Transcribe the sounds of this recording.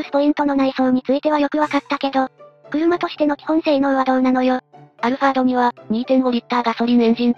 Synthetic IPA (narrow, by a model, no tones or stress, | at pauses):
ɯsɨ̥po̞ĩnt̪o̞no̞naiso̞ːɲ̟it͡sɨit̪e̞β̞ajo̞kɯ̟βakat̪ːake̞d̪o̞kɯ̟ɾɯ̟mat̪o̞ɕi̥t̪e̞no̞kʲi̥hõ̞ɰ̃seːino̞ːβad̪õ̞nːano̞joaɾɯ̟ɸaːd̪o̞ɲ̟iβaɲ̟iːt̪ẽnboɾʲit̪ːaːɡaso̞ɾʲinẽɲ̟d͡ʑĩn